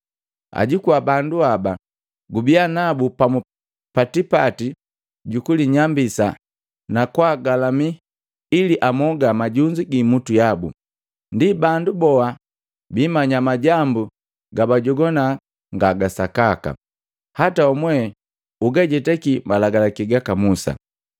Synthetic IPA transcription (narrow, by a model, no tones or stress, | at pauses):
a̰ɟikuwabanduaba | ɡubianabupamu | patipati | ɟukuliɲambisa̰ | nakwaɡalami | iliʔamɔɡamaɟuɲd͡ʒiɡimutujabṵ | ndibandubɔa | biːmaɲamaɟambu | ɡabaɟɔɡɔna | ŋɡaɡasakaka̰ | hataɔmwɛ | uɡaɟɛtɛkimalaɡalakiɡakamusa̰